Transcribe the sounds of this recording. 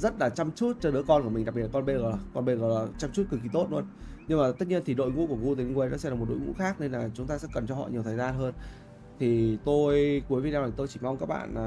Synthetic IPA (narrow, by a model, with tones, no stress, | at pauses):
zə˦˥t̚laː˨˩t͡ɕa˧mt͡ɕu˦˥t̚t͡ɕɔː˧ɗɨ̰˨˧˥əkɔ˧nku˧˩mï̟˨˩ɗa˨˩ɓi˨˩la˨ɔ˧nɓe˧ɣɔ˧˩˨kɔ˧nɓe˧ɣɔː˧˩laː˨˩t͡ɕa˧mt͡ɕu˦˥t̚kɨ˨˩ki˧˩t̪o˦˥t̚lu˧ənɲɨ˧ŋmaː˨˩t̪ə˦˥t̚ɲi˧ənt̪ʰi˨˩ɗo̰˧˨jŋṵ˧˥ku˧˩əŋu˧t̪ə˨˩i˧ŋwe˧jnɔ̰˧˦sɛ̰˧˥laː˨˩m˨˩t̚ɗo̰˧˨jŋṵ˧˥xaː˦˥k̚ne˧nlaː˨˩t͡ɕʊ˨˦ŋ͡mt̪aː˧sɛ̰˧˥kə˨˩nt͡ɕɔ˧hɔ̰˧˨ɲi˨˩əwt̪ʰəː˨˩jzaː˧nɦəː˧n | t̪ʰi˨˩t̪o˧jku˨˦əjvi˧˩na˧wa˨˩t̪o˧jt͡ɕi˧˩ma˧wŋ͡mkaː˦˥k̚ɓa̰ː˧˨naː˨˩